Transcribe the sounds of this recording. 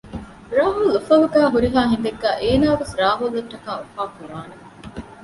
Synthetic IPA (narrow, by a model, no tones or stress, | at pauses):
ɾaːɦulːufɐluɡæːɦuɾiɦaːɦend̪eɡːæːʔeːnaːʋesɾaːɦulːɐʈːɐkaːufaːkuɾaːne